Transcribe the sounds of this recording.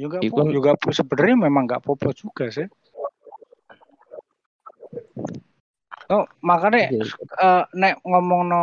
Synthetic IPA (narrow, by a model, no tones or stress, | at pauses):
juŋɡajuŋɡaʔpusəbəɾememaŋɡa̰ʔpɔpɔ̥ʒ̥uɡ̥a̤seh | nɔmakaneənɛʔŋɔmɔŋnɔ